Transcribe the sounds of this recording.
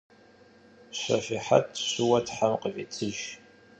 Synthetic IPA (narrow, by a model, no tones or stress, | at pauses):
ɕʷɐ̰fiħa̰tʰɕʷʊwɐtʰħamqʼəfʼit͡sʰʼɨʒ